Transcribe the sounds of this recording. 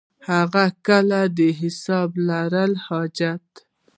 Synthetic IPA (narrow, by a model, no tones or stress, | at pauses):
haɣakəlad̪əɦɪsɑblaɾəlhɑd͡ʒat̪